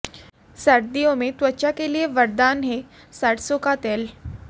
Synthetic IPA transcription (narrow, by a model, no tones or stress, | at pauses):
sɐɾd̪ijõmẽt̪wɐːt͡ʃakelieʋɐɾd̪aːnɦɛ | saʈʰsokat̪eːl